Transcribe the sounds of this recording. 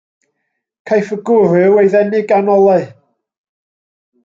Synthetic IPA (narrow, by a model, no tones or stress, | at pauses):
kʰajfəɡʊrɨwejðɛnɪɡanɔlˠaɨ